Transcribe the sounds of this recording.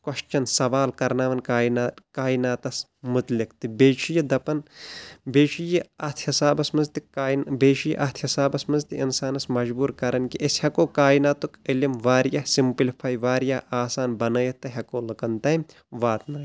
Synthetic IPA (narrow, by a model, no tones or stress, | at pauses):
kwɐʃt͡ʃɐnsɐʋaːlkɐɾnaːʋɐnkaːnkaːjinaːt̪ɐs | mʊt̪likt̪ibeːʃijid̪ɐpɐnbeːʃijiɐt̪ʰhisaːbɐsmɐnzt̪ikaːnbeːʃijḭʔɐt̪ʰhisaːbɐsmɐnzt̪iinsaːnɐsmɐd͡ʒbuːɾkɐɾɐnkiʔɐshɐkoːkaːinaːt̪ukilimʋaːɾjɐsimplipʰaːjʋaːɾjaːʔaːsaːnbɐnɐːjɐt̪ːɐɦʲɐkoːlɨkɐnt̪ɐm | ʋaːt̪naːj